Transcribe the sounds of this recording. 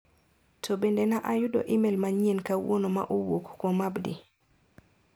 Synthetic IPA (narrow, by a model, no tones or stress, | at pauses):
tʰobendenaʔajʊdɔ̰ʔimelmaɲienkawonoma̰ʔowokkomabdi